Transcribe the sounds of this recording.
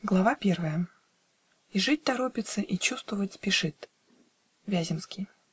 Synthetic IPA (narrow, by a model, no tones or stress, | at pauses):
ɡlˠɐvapʲervəjə | iʐɨt̚ʲt̪ɐɾopʲɪt̪sɨʔit͡ɕust̪vəvətʲspʲɪʂɨt̪ | vʲæzʲɪmskʲɪj